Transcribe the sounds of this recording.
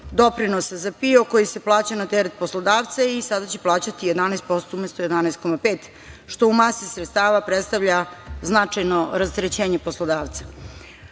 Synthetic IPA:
d̪o̞pɾinosazapioko̞jise̞plˠaːt͡ɕanat̪eɾet̪̚poslod̪aːʋt̪saisad̪at͡ɕeplˠaːt͡ɕat̪ije̞d̪anajst̪po̞st̪oumest̪oje̞d̪anɛjst̪̚ko̞mapeːt̪ | ʃt̪o̞umasisɾet̪st̪aːʋapɾet̪st̪aʋʎaznat͡ʂajnoɾast̪ɾet͡ɕeːɲepo̞slˠod̪aːʋt̪sḁ

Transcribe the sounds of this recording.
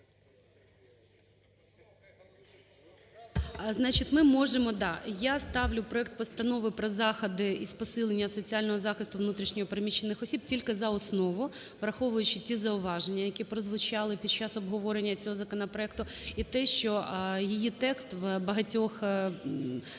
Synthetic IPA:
znɑt͡ʃitʲmɪmɔʒemɔd̪ɑjast̪ɑʋlʲʊpɾɔɛkt̪̚pɔst̪ɐnɔʋɪpɾɔzɑxɐd̪ɪispɔsɪlˠenʲːɐsɔt͡sʲiɑlʲnɔɦɔzɑxɪst̪ʊʋnut̪ɾʲiʃnʲɔɦɔpɾemʲit͡ʃːenɪxɔsʲib̚tʲilʲkɪzɐɔsnɔʋʊ | ʋɾɐxɔʋʊjʊt͡ʃɪtʲizɐʊʋɑʒenʲːɐjɐkʲipɾɔzʋʊt͡ʃɑlˠɪpʲid̪̚t͡ʃɑsɔbɦɔʋɔɾenʲːɐt͡sʲɔɦɔzɐkɔnɐpɾɔɛk̚t̪ʊit̪ɛʃt͡ʃɔjijit̪ɛkst̪ʋbɐɦɐtʲɔx

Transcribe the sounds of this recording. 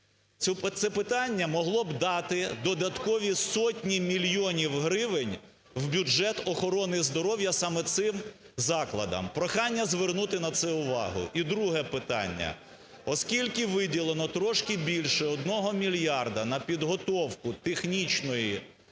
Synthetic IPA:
t̪sɛpɪt̪ɑnʲːɐmɔɦlˠɔbd̪ɑt̪ɪd̪ɔd̪ɐt̪kɔʋʲisɔtʲnʲimʲilʲjɔnʲiwɦɾɪʋɪnʲ | wbʲud͡ʒɛt̪ɔxɔɾɔnɪzd̪ɔɾɔwjɐsɑmɛt̪sɪm | zɑklˠɐ̰d̪ɐ̰mpɾɔxɑnʲːɐzʋernut̪ɪnɐt̪sɛʊʋɑ̰ɦʊ̰ʔid̪ɾuɦɛpɪt̪ɑ̰nʲːɐ̰ | ɔskʲilʲkɪʋɪdʲilˠenɔt̪ɾɔʃkɪbʲilʲʃɛɔd̪̚nɔɦɔmʲilʲjɑrd̪ɐnɐpʲid̪ɦɔt̪ɔwkʊt̪exnʲit͡ʃnɔji

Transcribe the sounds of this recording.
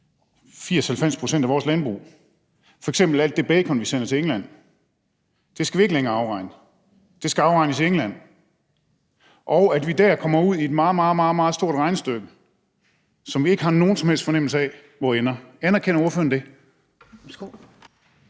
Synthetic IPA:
fiɐ̰shælfem̰spʰʁo̝sen̰d̥æʋɒːslænb̥ʁṵː | fɒ̽eɡ̥sem̰b̥l̩æl̰d̥ːe̝b̥ɛːkʰɒ̽nʋisen̰ɐt͡sʰe̝eŋlæn̰ | d̥e̝sɡ̥æʋie̝ɡəleŋɐɑ̈ʊʁɑ̈ɪnə | d̥e̝sɡ̥æɑ̈ʊʁɑ̈ɪnəsieŋlæn̰ | ʔɒʊæd̥ʋid̥æɐ̰kʰɒ̽mɐuð̞̰ˠie̝d̥mɑ̈ːð̩ˠmɑ̈ːð̩ˠmɑ̈ːð̩ˠmɑ̈ːðˠsd̥o̝ɐ̰dʁɑ̈ɪnsd̥øɡ̥ə | sɒ̽mʋie̝ɡ̥əhɑ̈no̝ːn̩sɒ̽mhelsd̥fɒ̽nem̰l̩səɛ | ʋɒːenɐænɐkʰenɐuɐføɐnd̥e̝

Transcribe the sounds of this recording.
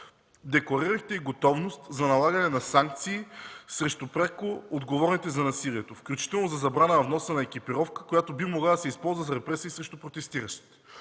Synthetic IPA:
d̪ɛklˠɐɾiɾəxt̪ɛiɡot̪ɔvnost̪zɐnɐlˠaɡɐnɛnɐsaŋk̚t̪siːsɾɛʃt̪ʊpɾakood̪ɡovɔɾnit̪ɛzɐnɐsiliɛt̪ofklʲut͡ʃi̥t̪ɛlˠnozɐzɐbɾanəɐvnɔsənɐɛkʲipɛɾɔfkəkojat̪obimoɡlˠad̪ɐsɛispɔlˠzvəzɾɛpɾɛsiːsɾɛʃt̪upɾot̪ɛst̪iɾɐʃt̪i̥t̪

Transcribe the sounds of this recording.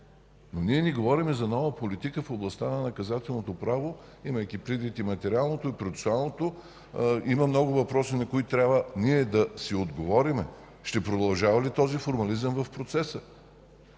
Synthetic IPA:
noniɛniɡovɔɾimɛzɐnɔvəpolit̪ikəfoblˠɐst̪anɐnɐkɐzat̪ɛlˠnot̪opɾavo | imɐjkʲipɾid̪vit̪imɐt̪ɛɾʲialˠnot̪oipɾofɛ̥soalˠnot̪o | imɐmnɔɡʊvɐpɾɔsinɐkoit̪ɾʲabəniɛd̪ɐsiod̪ɡovɔɾimɛ | ʃt̪ɛpɾod̪ɐlˠʒavɐlit̪ɔzifoɾmɐlizəmvɐfpɾot̪sɛsə

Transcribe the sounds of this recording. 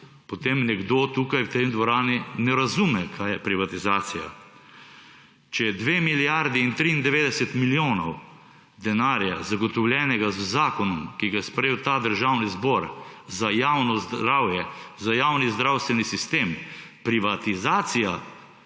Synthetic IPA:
pɔt̪emnɛɡd̪oːt̪ukajwt̪emd̪ʋɔɾaːninɛɾazumɛkʰaːjɛpɾiʋat̪izaːsija̰ | t͡ʃɛjɛd̪ʋemiljaɾd̪iːnt̪ɾiːnd̪ɛʋeːd̪ɛsɛt̪miljoːnɔw | d̪ɛnaːɾja̰zaɡɔt̪ɔwljɛːnɛɡazzaːkɔnɔmkiɡajɛspɾewt̪aːd̪əɾʒaːwnizbɔɾzajaːwnɔzd̪ɾaːwjɛzajawnizd̪ɾawst̪ʋɛnisist̪eːmpɾiʋat̪izaːt̪sija

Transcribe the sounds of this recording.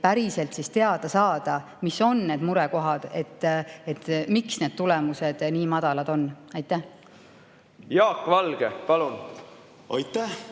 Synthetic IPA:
pæɾise̞lt̪sist̪e̞ɑd̪̥ɑsɑːd̪̥ɑ | miso̞nːe̞ːd̪muɾɛko̞ɦɑd̪̥e̞t̪ːet̪ːmiksne̞d̥̪̚t̪ule̞muse̞d̪̥niːmɑd̪̥ɑlɑd̪̥o̞nːɑjt̪ːˑæh | jɑːkːvɑlɡ̥epɑlun | ojt̪ːæh

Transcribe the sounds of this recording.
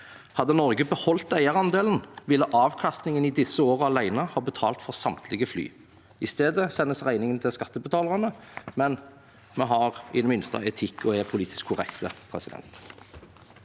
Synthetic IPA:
hɑd̪ənɔʁɡəbəhɔlt̪æɪəʁɑnd̪eːlən̩ʋɪlːəʔɑːʋkʰɑst̪nɪŋənid̪ɪsːəoːʁəɑlæɪnəhɑːbət̪ʰɑ̰ːlt̪fɔʁsɑmt̪ʰlɪɡəfly̰ː | ɪst̪eːd̪əsɛnːəsʁæɪnɪŋənt̪ʰɪlskɑt̪ːəbət̪ʰɑːləʁənəmɛn | mɛɦɑʁɪnmɪnst̪ɑ̰ɛt̪ʰɪkːɔɛpʰʊliːt̪ɪ̥skʰːʊʁɛ̰kt̪əpʰʁɛsɪd̪ɛ̰nt̪

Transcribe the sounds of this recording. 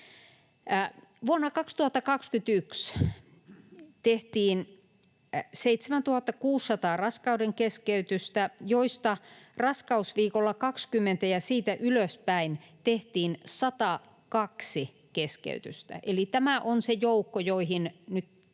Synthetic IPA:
ʋuonːɑkɑkst̪uhɑt̪ːɑkɑkskyt̪yks | t̪eht̪iːn | seit̪semænt̪uhɑt̪ːɑkuːsːɑt̪ɑːrɑskɑudeŋkeskeyt̪yst̪æjoist̪ɑrɑskɑusʋiːkolːɑkɑkskymːent̪æjɑsiːt̪æʔyløspæint̪eht̪iːnsɑt̪ɑ | kɑksi | keskḛyt̪yst̪æ̰ʔelit̪æmæʔonsejoukːojoihinnyt̪

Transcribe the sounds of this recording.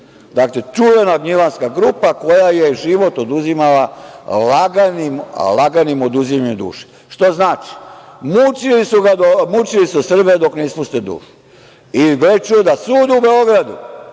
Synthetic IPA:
d̪aklet͡ʃuʋenaɡɲilanskaɡɾupako̞jajeʒiʋo̞t̪od̪uzimalalaɡanim̰laɡanimo̞d̪uzimaɲud̪ṵːʃe̥ | ʃt̪oznaːt͡ʃi̥mut͡ʃilisuɡad̪omut͡ʃilisusr̩bed̪o̞kneispust̪ed̪ṵːʃu̥ | iɡɾet͡ʃued̪asuːd̪ubeo̞ɡɾad̪ṵ

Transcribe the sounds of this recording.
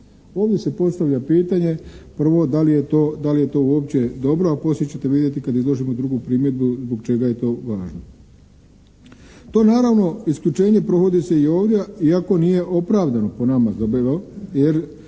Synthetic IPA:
o̞ːʋdje̞se̞po̞st̪aʋʎapiːt̪aɲe̞pr̩ʋo̞d̪alije̞t̪oːd̪alije̞t̪o̞uo̞ːp̚t͡ɕe̞d̪o̞bɾoapo̞sjet͡ɕet̪eʋid̪je̞t̪ikad̪izlˠo̞ʒimo̞d̪ɾuɡupɾiːmjed̪̚buzboɡ̚t͡ʃe̞ɡaje̞t̪o̞ːʋaːʒno | t̪o̞ːnaːɾaʋno̞isklʎut͡ʃe̞ːɲe̞pɾoɣo̞d̪ise̞io̞ːʋd̪je̞iako̞nije̞ʔo̞pɾaːʋd̪ano̞po̞namazobioje̞ɾ

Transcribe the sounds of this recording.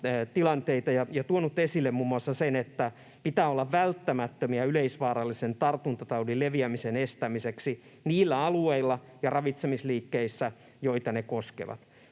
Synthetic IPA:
t̪ilɑnt̪eit̪ɑjɑjɑt̪uonut̪ːesilːemmuːmːuɑsːɑsenet̪ːæ | pit̪æːolːɑʋʋælt̪ːæmæt̪ːømiɑyleisʋɑːɾɑlːisent̪ɑrt̪unt̪ɑt̪ɑudileʋiæmisenest̪æmiseksi | niːlːæɑlueilːɑ | jɑrɑʋit̪semisliːkːeisːæ | joit̪ɑnekoskḛʋɑ̰t̪

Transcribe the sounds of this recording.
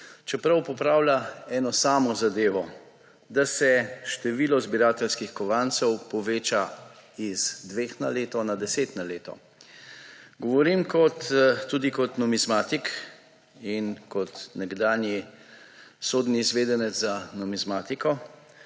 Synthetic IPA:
t͡ʃɛpɾawpɔpɾaːwlʲaɛːnɔsaːmɔzad̪eːʋɔ | d̪asɛʃt̪ɛʋiːlɔzbiɾaːt̪ɛlskixkɔʋant̪sɛwpɔʋeːt͡ʃaizd̪ʋeːxnaleːt̪ɔnad̪ɛseːt̪naleːt̪ɔ̰ | ɡɔʋɔɾimkɔt̪ːud̪ikɔt̪nɔmizmaːt̪ik | inkɔt̪nɛɡd̪aːnji | soːd̪niːzʋeːd̪ɛnɛzanɔmizmaːt̪ikɔ

